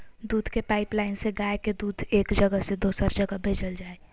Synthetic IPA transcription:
d̪uːd̪ʱkepaːɪplaːɪnseɡaːeked̪uːd̪ʱeːkd͡ʒəɡəsed̪oːsəɾd͡ʒəɡəbʱeːd͡ʒəld͡ʒaːe

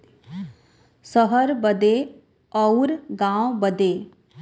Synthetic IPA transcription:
səɦəɾbəd̪e | ɔwɾɡãwbəd̪eː

